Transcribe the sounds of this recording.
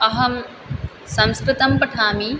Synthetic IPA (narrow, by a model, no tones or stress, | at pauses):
ɐɦɐm | sɐ̃mskɾɪt̪ɐmpɐʈʰaːmiː